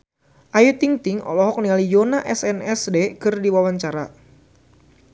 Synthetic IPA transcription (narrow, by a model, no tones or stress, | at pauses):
ʔajut̪iŋt̪iŋʔɔ̰lɔɦɔk̚nialijonaʔɛsɛnɛsdekɨrdiwawaɲt͡ʃaɾa